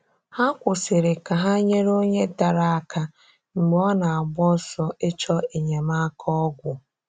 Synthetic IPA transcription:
ha˦kʷʊ˨sɪ˨ɾɪ˨ka˨ɦa˦ɲe˦ɾo˦ɲe˦da˨ɾa˨a˨kʰa˦ | ŋ͡m̩˨ɡ͡be˨˦ɔ˦na˨a˨ɡ͡bɔ˦sɔ˦e˦t͡ʃɔ˦e˨ɲe˨ma˦kʰɔ˦ɡʷʊ˨

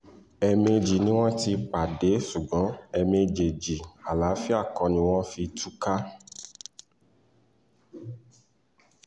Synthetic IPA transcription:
ɛ˧me˧d͡ʒi˨nĩ˨˦w̃ɔ̃˦ti˧k͡pa˨de˨˦ʃu˨ɡ͡bɔ̃˨˦ɛ˧mẽ˧d͡ʒe˨d͡ʒi˨a˨la˨˦fi˦a˦˨kɔ̃˧nĩ˧w̃ɔ̃˦fi˧tʰu˦ka˦

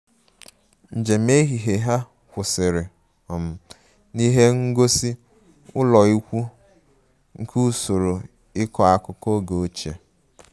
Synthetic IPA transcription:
n̩˨d͡ʒe˨me˦ɦi˨ɦe˨ɦa˦ | kʷʊ˨sɪ˨ɾɪ˨ | ɔ˨m̩˨ | ni˦ɦe˦ŋ̩˦ɡo˦si˦ | ʊ˦lɔ˨i˦kʷu˦ | ŋ̩˦ku˦˨so˨ɾo˨ | ɪ˦kɔ˨˦a˨kʊ˦ko˦ɡo˨o˦t͡ʃe˨

